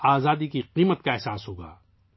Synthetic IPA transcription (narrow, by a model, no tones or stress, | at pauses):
aːzaːd̪ikiqiːmət̪kaɛɦsaːsɦoːɡa̰ː